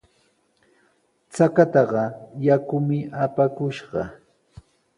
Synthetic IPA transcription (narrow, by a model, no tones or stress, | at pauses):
t͡sakat̪ɑɢɑjakʊmɪʔapakʊʃɢɑ̰